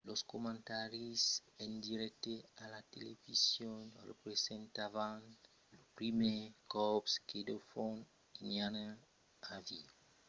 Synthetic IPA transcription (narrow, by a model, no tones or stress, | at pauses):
loskomãnt̪aɾisend̪iɾɛk̚t̪ealat̪elevisjonrḛpɾesent̪avan | lopɾimekɔpskʰed̪ofon | inana | avi